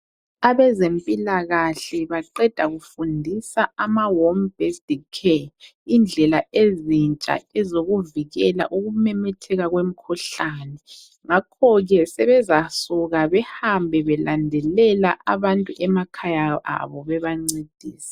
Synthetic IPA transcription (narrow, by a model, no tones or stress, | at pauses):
aβɛzempʼilaɣaɬɛβaǃɛd̥ʱaɣufundʱisaamawombɛsdikʰe | ind͡ɮʱɛlaezint͡ʃʼa̰ɛzoɣuviɣɛla̰ʔuɣumɛmɛtʰɛɣaɣwem̩kʰuɬanɛ | ŋakʰɔɣɛsɛβɛzasuɣaβɛhambʱɛβɛlandʱɛlɛlaʔaβantʼuʔɛmakʰajaa̰βɔβɛβaŋ͡ǀed̥ʱiːsi̥